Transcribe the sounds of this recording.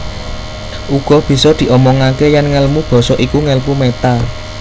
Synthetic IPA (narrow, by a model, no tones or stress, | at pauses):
ʔuɡ̥ɔ̤b̥i̤sɔd̪̥i̤ʔɔmɔŋakejanŋəlmub̥ɔ̤sɔʔikuŋəlpumet̪a